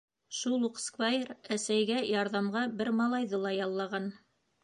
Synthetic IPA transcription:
ʃulˠuqskvajeɾæsæjɡæjɑɾðɑmʁɑbɘɾmɑlˠɑjðɤlˠɑjɑlˠːɑʁɑn

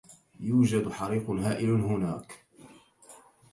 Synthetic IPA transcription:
juːd͡ʒad̪ħɑɾiːqɦaːʔɪlhʊnaːk

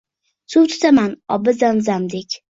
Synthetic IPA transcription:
sʊwt̪ʰʊ̥t̪ʰamanɒbɪzanzamd̪ekʲ

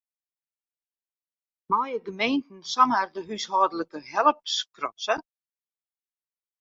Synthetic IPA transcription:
mɔjəɡəmejntn̩sɔmərdəɦyshɔːdələkəɦɛlˠəpskrɔ̰sə

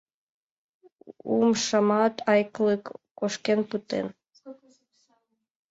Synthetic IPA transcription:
ṵmʃɑmɑt̪ɑjklˠɨkː | oʃkenput̪ḛn

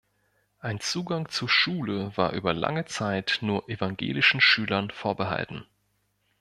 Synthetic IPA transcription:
ʔaɪnt͡suːɡaŋt͡suɐʃuːləvaːɐʔyːbɐla̰ŋət͡saɪtnuːɐʔevaŋɡḛːlɪʃn̩ʃyːlɐnfoːɐbəɦa̰ltn̩

